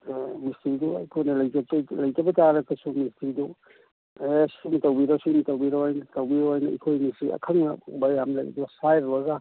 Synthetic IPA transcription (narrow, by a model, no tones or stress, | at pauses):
mistiduɐ̰jkʰojnɐlɐjtɐtlɐjtɐbɐtaɾɐkɐsumistidu | esimtɐwbiɾɐsimtɐwbiɾaojnɐtɐwbiɾojnɐḭkʰojnisiɐ̰kʰɐŋnɐbajamlajɐ̰duɐsajɾbɐɡa